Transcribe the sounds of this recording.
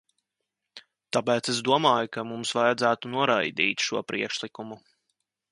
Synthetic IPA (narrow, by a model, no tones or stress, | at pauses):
t̪apɛːt̪ses̬d̪uɔmaːjukamumsvajad̪zæːt̪unuɔɾajd̪iːt̪ʃuɔpɾʔiɛkʃlˠikumu